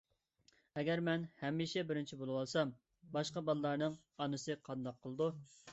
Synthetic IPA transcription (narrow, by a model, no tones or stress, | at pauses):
ɛɡʲɛɾmɛnhɛmːiʃɛbɪɾɪnt͡ʃʰibolˠɨwɑlˠsɑm | bɑʃqɑbɑlˠlˠɑɾnɨŋ | ɑnɨsɨqʰɑnd̪ɑqʰːəlˠɨd̪u